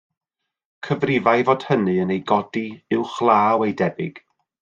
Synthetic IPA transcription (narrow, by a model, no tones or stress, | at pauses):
kʰəvrɪvajvɔd̥hənɨənejɡɔdiɪwχlˠaːwejdɛbɪɡ̥